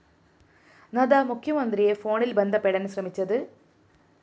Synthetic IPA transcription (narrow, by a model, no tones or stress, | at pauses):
nɐd̪ɐmukʰjɐmɐnd̪rijefo̞ːɳilbend̪ʱɐpːeɽɐnɕrɐmit͡ɕːɐðɨ